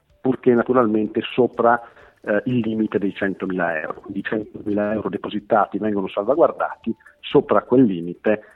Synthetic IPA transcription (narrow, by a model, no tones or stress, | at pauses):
purk̟enːat̪uɾalment̪esoːpɾa | ilːiːmit̪ed̪ejt͡ʃɛnt̪omiːla̰ɛ̰wɾokwind̪it͡ʃɛnt̪omiːlaɛwɾod̪epozit̪aːt̪ivɛŋɡonosalvaɡward̪a̰ːt̪isoːpɾakwelːiːmit̪e